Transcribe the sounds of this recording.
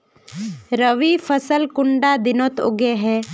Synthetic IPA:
ɾəʋipʰəsəlkʊɳɖad̪ɪnot̪o̰ɡeɦɛː

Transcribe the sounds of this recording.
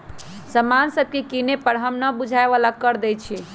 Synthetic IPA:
səmansəb̚ʱkekinepəɾɦəmnəbud͡ʒʱaeʋalakəɾd̪ɛt͡ʃʰi

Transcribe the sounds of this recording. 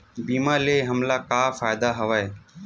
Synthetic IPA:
biːmaːleːɦəmlaːkaːfaːɪd̪aːɦəʋaːeː

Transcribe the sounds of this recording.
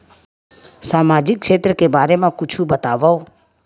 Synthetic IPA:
saːmaːd͡ʒɪkʃeːt̪ɾəkebaːɾemãkʊt͡ʃʰubət̪aːʋao

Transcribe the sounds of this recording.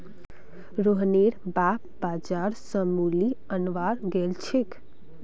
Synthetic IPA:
ɾoɦneɾbapbad͡ʒaɾsəmuli | ənʋaɾɡelt͡ʃʰek

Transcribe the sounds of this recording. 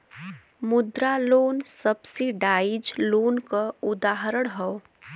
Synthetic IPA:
mʊd̪ɾaloːnsəbseɖaːjid͡ʒloːnkaʊd̪aːɦəɾəɽ̃ɦɛo

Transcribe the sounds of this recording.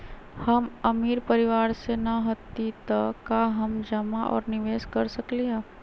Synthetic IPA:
hɐməmiːɾpɐɾɪʋaːɾsenaɦɐt̪ːit̪akaɦɐmd͡ʒəmaʔɔ̰ːɾnɪʋeːʃkɐɾsəkliɦaː

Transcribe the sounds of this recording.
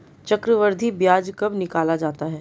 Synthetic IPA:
t͡ʃɐkɾəʋəɾd̪ʱibjaːd͡ʒkɐbnɪkaːlad͡ʒaːt̪aɦɛː

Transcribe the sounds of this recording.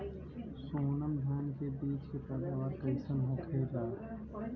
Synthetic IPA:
soːnəmd̪ʱaːnkebiːt͡ʃkepɛːd̪aːʋaːɾkɐɪsənɦõːkʰeːlaː

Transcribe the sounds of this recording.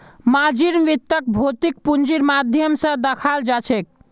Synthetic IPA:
mad͡ʒiɾmʋit̪ːək̚bʱot̪ik̚pund͡ʒiɾmad̪ʱjəmsə̃d̪əkʰald͡ʒat͡ʃʰek̚

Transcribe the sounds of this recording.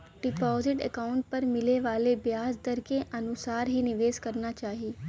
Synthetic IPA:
ɖɪpɔːzɪʈɛ̰kaːʊ̃ɳʈ̚pəɾmɪleʋaːlebjaːzd̪əɾkeʔənʊsaːɾɦinɪʋeːzkəɾnat͡ʃaːɦieː

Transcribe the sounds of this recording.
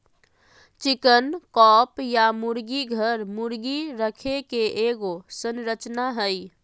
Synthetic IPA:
t͡ʃikənkɔpjamuɾɡiɡʱəɾmuɾɡiɾəkʰekeʔeɡosənɾət͡ʃnaɦəj

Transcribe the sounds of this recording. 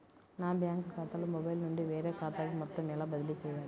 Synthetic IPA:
naːbjaːŋkkaːt̪aːlumɔbɐjlnuɳɖiʋeːɾeːkaːt̪aːɡimɐt̪ːɐmɛlabɐd̪ɪlit͡ʃɛjːaːɾi

